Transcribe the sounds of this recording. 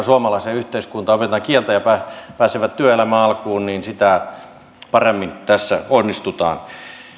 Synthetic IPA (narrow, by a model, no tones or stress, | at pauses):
suomɑlɑˑiseyht̪eiskunt̪ɑopet̪ɑŋkielt̪æjɑpæpæːseʋæt̪t̪yøelæmæɑlkuːnniːnsit̪æ | pɑremːint̪æsːæ̰onːist̪ut̪ɑ̰ːn